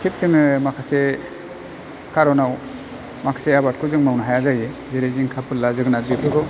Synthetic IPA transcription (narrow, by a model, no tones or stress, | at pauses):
tʰik̚sɯŋɯmakʰase | kʰaɾɔnaw | makʰḁseabat̚kʰɯzɯŋmawnaɦajazaje | zeɾeziŋkʰapʰɯlːazɯɡnabipʰɯɾɔ